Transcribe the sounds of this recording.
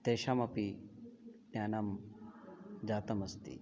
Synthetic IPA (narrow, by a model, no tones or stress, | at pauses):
t̪eːʃamɐpi | t̪jaːnam | d͡ʒaːt̪ɐmɐst̪ḭ